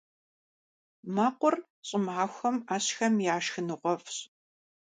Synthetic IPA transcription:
maːqʷʊr | ɕʼɪmaːxʷɐmaːɕxɐmjaːʃxɨnɨʁʷɔfɕ

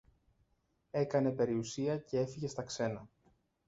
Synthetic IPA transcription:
e̞kɐne̞pe̞ɾiusiɐce̞e̞fiʝe̞st̪ɐkse̞nɐ

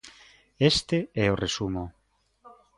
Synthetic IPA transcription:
est̪eɛoresumo

